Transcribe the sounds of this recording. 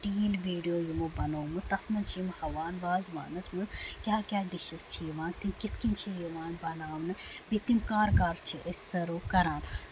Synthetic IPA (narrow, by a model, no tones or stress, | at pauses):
ʈiːlʋiːɖijoːjimubɐnoːmɨt̪ɐt̪ʰmɐnt͡ʃʰijimhɐʋaːnbaːzʋa̰ːnɐsmɨzkʲjaːkʲaːɖiʃɐst͡ʃʰijiʋaːnt̪imkit̪kint͡ʃʰijiʋaːnbɐnaːʋnɨbit̪imkaːɾkaːɾt͡ʃʰiʔəssɐɾuːkɐɾaːn